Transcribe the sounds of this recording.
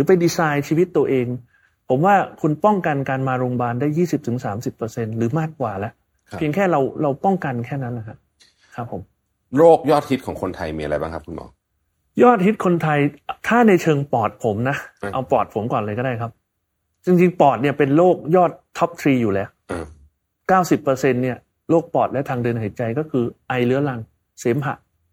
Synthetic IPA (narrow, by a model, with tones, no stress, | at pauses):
ɾɯː˩˦pa˧jdiː˧saː˧jt͡ɕʰiː˧wi˦˥t̪ːu˧ɐʔeː˧ŋ | pʰo˩˦mwaː˥˩kʰu˧npɔ˥˩ŋka˧nkaː˧nmaː˧ɾoː˧ŋbaː˧ndaː˥˩jːiː˥˩si˨˩p̚t̪ʰɯ˩˦ŋsaː˩˦msi˨˩pːɤː˧se˧nɾɯː˩˦maː˥˩kːwaː˨˩lɛ˦˥ʔʰ | pʰi˧əŋkʰɛː˥˩ɾa˧wɾa˧wpɔ˥˩ŋka˧nkʰɛː˥˩na˦˥nla˨˩kʰa˦˥ʔ | kʰa˦˥pʰːo˩˦m | ɾoː˥˩k̚jɔː˥˩t̪̚hi˦˥t̪̚ʰɔː˩˦ŋkʰo˧nt̪ʰa̰˧jmiː˧ʔa˧ɾa˧jbaː˥˩ŋkʰa˦˥p̚ku˧nmɔ̰ː˨˩˦ŋ | jɔː˥˩t̪̚hi˦˥t̪̚kʰo˧nt̪ʰa˧jt̪ʰaː˥˩na˧jt͡ɕʰɤː˧ŋpɔː˨˩t̪̚pʰo˩˦mna˦˥ʔʔa˧wpɔː˨˩t̪̚pʰo˩˦mkɔː˨˩nla˧jkɔː˥˩daː˥˩jkʰa˦˥p̚ | t͡ɕi˧ŋt͡ɕi˧ŋpɔː˨˩t̪̚ni˥˩ɐpe˧nloː˥˩k̚jɔː˥˩t̪ʰːɔ˦˥p̚t̪ʰɾiː˧juː˨˩lɛː˦˥wʔ | kaː˥˩wsi˨˩pːɤː˧se˧nːi˥˩ɐ | loː˥˩k̚pɔː˨˩t̪̚lɛ˦˥wt̪ʰaː˧ŋdɯ˧ənhe˨˩t͡ɕa˧jkɔː˥˩kʰɯː˧ʔa˧jlɯ˦˥ɐla˧ŋ | seː˩˦mɦa̰˨˩ʔ